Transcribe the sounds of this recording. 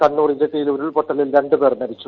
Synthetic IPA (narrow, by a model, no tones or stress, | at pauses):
kɐnːuːrid͡ʑeʈ̪ːijiloɾuɭpoʈːɐlilɾe̞ɳɖɨpe̞ːrmɐɾit͡ɕːu